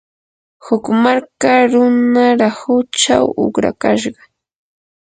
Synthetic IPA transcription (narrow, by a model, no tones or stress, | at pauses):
hʊkmaɾkaɾʊnaɾahʊt͡ʃa̰wʊ̰kɾa̰kaʃɢɑ